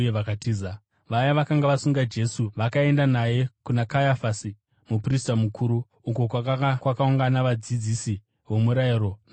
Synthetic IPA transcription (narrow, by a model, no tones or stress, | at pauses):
eʋakatiːza | ʋajaʋakaŋɡaʋasuŋɡad͡ʒe̞suʋakae̞ndanaje̞kunakajafasi | mupristamukʰuɾu | uko̞kwakaakwakauŋɡanaʋad͡zid͡zisi | wo̞muɾaiɾo̞n